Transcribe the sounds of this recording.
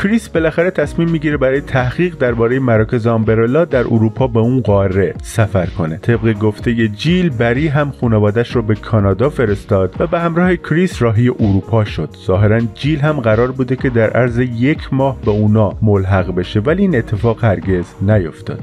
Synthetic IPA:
kɾisbe̞læxæɾet̪ʰæsmiːmːiɟiɾebæɾɒːjet̪ʰæhɣ̥iːɣd̪æɾbɒːɾejemæɾɒːcʰe̞zeɒmbe̞ɾelɒːd̪æɾʔuɾuːpʰɒːbe̞unɢɒːɾːe̞sæfæɾkʰo̞net̪ʰe̞bɣeɡo̞ft̪ʰe̞je̞d͡ʒilbæɾiːɦæmxuːnevɒːd̪æʃɾɒːbe̞kʰɒːnɒːd̪ɒːfe̞ɾe̞st̪ɒːd̪̥væbehæmɾɒːhekʰɾisrɒːɦije̞ʔuɾuːpʰɒːʃo̞d̪̥z̥ɒːɦe̞ɾænd͡ʒiːlɦæmɢæɾɒːɾbuːd̪e̞cʰe̞d̪æɾʔæɾzejecʰmɒːhbeuːnɒːmolɦæɣbe̞ʃe̞væliiːnet̪ʰːe̞fɒːɣ̥hæɾɡe̞znæjo̞ft̪ɒ̰ːd̪̥

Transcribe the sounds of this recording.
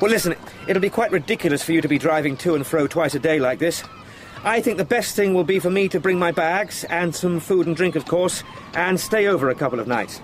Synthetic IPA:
wɛlˠɪsɨ̃n̩ | ʔɨɾl̩ˠbikʰw̥aɪʔ̚ɹɨdɪkjl̩ˠɨsfə˞jɨɾɨbidɹaɪvɪ̃ŋtʰʉɨ̃nfɹoʊtʰw̥aɪsɨdeɪlaɪk̚ðɪs | ʔaɪθɪ̃ŋk̚ðɨbɛst̪θɪ̃ŋwɪlˠbifə˞miɾɨbɹɪ̃ŋmaɪbæɡz̥ɨ̃nsʌ̃ɱfuɾn̩dɹɪ̃ŋkʌv̥kʰɔɹs | ʔɨ̃nsteɪoʊvə˞ɨkʰʌpl̩ˠʌvnaɪts

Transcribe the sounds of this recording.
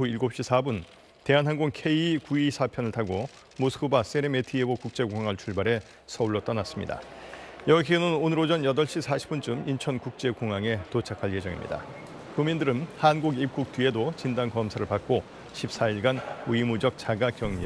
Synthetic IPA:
uiɭɡop̚ɕ͈isʰabun | te̞ɦanɦanɡoŋkʰe̞ikuisʰapʰjʌnɯɭtʰaɡo | mosʰk͈ʰubas͈eɾemetʰiebokuk̚t͡ɕ͈e̞koŋaŋaɭt͡ɕʰuɭbaɾe̞ | sʰʌuɭːʌt͈ʌnas͈ɯmɲḭda̰jʌɡkʰenɯnonɯɾod͡ʑʌnjʌdʌɭɕ͈isʰaɕʰi̥p͈unt͡ɕ͈umint͡ɕʰʌnkuk̚t͡ɕ͈e̞koŋaŋe̞tot͡ɕʰakʰaɭje̞d͡ʑʌŋḭmɲḭda̰ | kumindɯɾɯnhanɡuɡip̚k͈uk̚t͈ɥie̞dot͡ɕindankʌmsʰaɾɯɭpak̚k͈o | ɕʰip̚s͈aiɭɡanuimud͡ʑʌk̚t͡ɕaɡakjʌŋɲi

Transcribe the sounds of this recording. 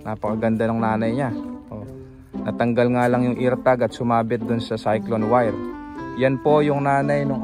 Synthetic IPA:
naːpɐkɐɡɐnd̪anʊŋnaːnɐjɲaʔo | nɐt̪ɐŋɡalŋalɐŋjʊŋʔiɾt̪aɡɐt̪̚sʊmaːbɪt̪̚d̪ʊnsɐsajklonwajɾjanpo̞jʊŋnaːnɐjnʊŋ

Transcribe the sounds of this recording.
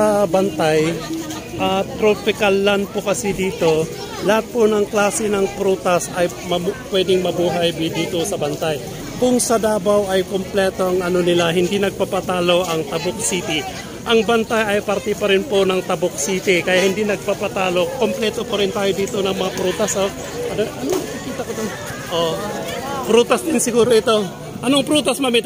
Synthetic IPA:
ɐbɐnt̪aj | ʔɐt̪ːɾopɪkalːanpokɐsid̪iːt̪o̞ | lɐhat̪̚ponɐŋklaːsɛnɐŋpɾuːt̪ɐsɐj | mɐpwɛd̪ɪŋmɐbuːɦɐjbɪd̪iːt̪o̞sɐbɐnt̪aj | kʊŋsɐd̪aːbawʔɐjkomplɛːt̪o̞ɐŋɐno̞nɪlaɦɪnd̪inɐɡ̚papat̪aːlo̞ʔɐŋt̪ɐbok̚siːt̪ɪ | ʔɐŋbɐnt̪ajɐjpɐɾt̪ɪpɐɾɪnpo̞nɐŋt̪ɐbok̚siːt̪ɪkɐjaʔhɪnd̪inɐɡ̚papat̪aːlo̞komplɛːt̪opɐɾɪnt̪aːjod̪iːt̪o̞nɐŋmɐŋapɾuːt̪ɐsʔo | ʔɐnoʔɐnonɐkikiːt̪ɐkot̪o | ʔo | pɾuːt̪ɐsd̪ɪnsɪɡuːɾoʔɪt̪o̞ | ʔɐnoɐŋpɾuːt̪ɐsmɐmit̪

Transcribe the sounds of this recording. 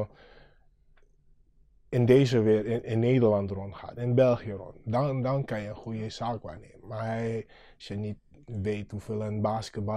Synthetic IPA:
ɪndeːzəʋɪːrɪɪnːeːdəɹlɑntrɔntχa̰ːtɪnbɛlˠχiərɔ̰ntdndɑnkɑnjəənχujəsaːkʋa̰ːnḛːmənmaɹɦɛj | sjənit̚ | ʋejthufɪːlˠənbaːskət̚bɑ

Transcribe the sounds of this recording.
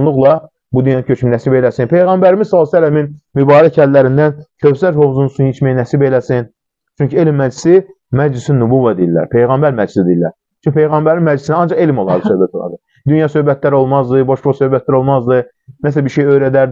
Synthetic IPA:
lˠuɣlˠɑ | bud̪ynjɑninʲcʰøt͡ʃʰminæsibe̞læsinpʰe̞jɣæmbæɾimizsɑlːˠsælːæminmybɑːɾæcʰælːæɾind̪æncʰøsæɾho̞vzunusunit͡ʃmæjænæsibe̞læsin | t͡ʃʰynɲcielimːæd͡ʒlisi | mæd͡ʒlisinːubuvɑd̪ejilːæ̰ɾpʰe̞jɣæmbæɾmæd͡ʒlisid̪ejilːæ̰ɾ | t͡ʃʰyɲcʰipʰe̞jɣæmbæɾinmæd͡ʒlisinæɑnd͡ʒɑʁe̞limolˠɑ̰ɾd̪ɯsø̞bæt̪ʰolˠɑ̰ɾd̪ɯ | d̪ynjɑsø̞hbæt̪ʰlæɾo̞lˠmɑzd̪ɯboʃbosø̞hbæt̪̚læɾo̞lˠmɑzd̪ɯ | næs̬æbiɾʃejø̞jɾæd̪æɾ

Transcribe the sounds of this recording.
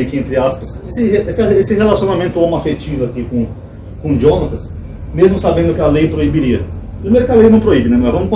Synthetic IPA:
ɐkiẽnt̪ɾɪaspɐsesɪheʔesɐesɪhelasiõnamẽnt̪ʊamɐafet͡ʃivʊɐkikõ | kõd͡ʒiõnɐt̪ɐs | mezmʊsabẽnd̪ʊkɪɐlejpɾoibiɾiɐpɾimejɾʊkɪalejnɐ̃w̃pɾoibɪnɛmɔɾvɐ̃mʊkõ

